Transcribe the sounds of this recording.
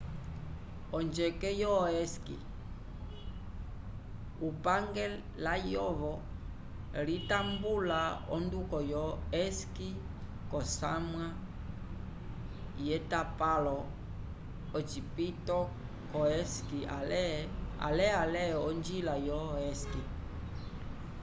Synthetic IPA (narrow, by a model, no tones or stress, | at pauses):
ɔnd͡ʒɛkɛjɔɛskḭ | upaŋɡɛ | lajɔβɔ | litambulaɔ̰ndukɔjɔɛski | kɔsamwa | jɛtapalɔ | ɔt͡ʃipitɔ | kɔɛski | a̰lɛalɛɔnd͡ʒilajɔɛski